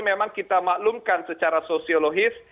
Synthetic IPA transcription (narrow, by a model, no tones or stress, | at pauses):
memaŋkit̪amaʔlumkansət͡ʃaɾasosioloɡɪs